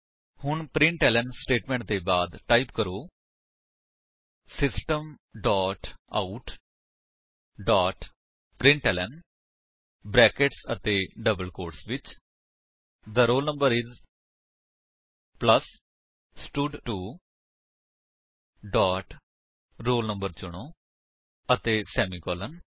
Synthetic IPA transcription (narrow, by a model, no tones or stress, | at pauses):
hʊɳpɾɪ̃ɳʈɛːləɳsʈeːʈmɛ̃ːɳʈ̚d̪eːbaːd̪ʈaːipkəɾoː | sɪsʈəmɖaːʈa̰ʊʈ | ɖaːʈ | pɾɪ̃ɳʈɛːlɛn | bɾɛːkeʈsət̪eːɖəbəlkoːɾʈsʋɪt͡ʃ | d̪əɾoːlnə̃mbəɾɪz | pləs | sʈʊɖʈuː | ɖaːʈ | ɾoːlnəmbəɾt͡ʃʊɽ̃oː | ət̪eːsɛːmiːkɔːlən